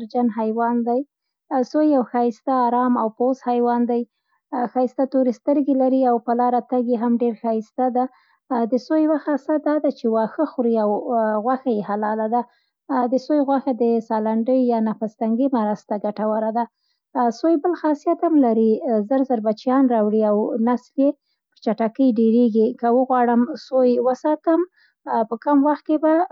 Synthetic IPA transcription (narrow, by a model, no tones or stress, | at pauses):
ɾd͡ʒanɦajwɑnd̪aj | sojawxɑjist̪aːɾɑmawpozhajwɑnd̪aj | xɑjst̪at̪oɾist̪əɾɡelaɾiawpəlɑɾat̪aɡjeɦamɖeɾxɑjist̪ad̪a | d̪əsojwaxɑsad̪ɑd̪at͡ʃewɑxəxuɾiawɣwaxajehalɑlad̪a | d̪əsojɣwaxad̪əsɑlaɳɖəjjɑnafast̪aŋɡimaɾast̪aɡaʈawaɾad̪a | sojbəlxɑsijat̪hamlaɾizəɾzəɾbat͡ʃjɑnɾɑwɽiawnaslje | ət͡ʃaʈakəjɖeɾeɡikawəɣwɑɽəmsojwəsɑt̪əm | pəkamwaxt̪̚keba